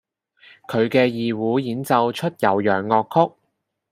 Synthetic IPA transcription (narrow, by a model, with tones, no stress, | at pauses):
kʰɵ˨˧ɥkɛː˧jiː˨wuː˨˥jiː˨˥nt͡sɐ˨˧wt͡ʃʰɵ˥t̚jɐ˨˩wjœː˨˩ŋːɔː˧kʰːʊ˥k̚